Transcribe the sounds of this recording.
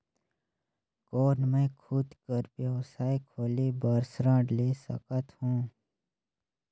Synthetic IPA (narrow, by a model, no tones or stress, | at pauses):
kɔːnmẽːkʰuːd̪kəɾpjəwsaːikʰoːlebəɾsɾãːɖleːsə̰kət̪hũː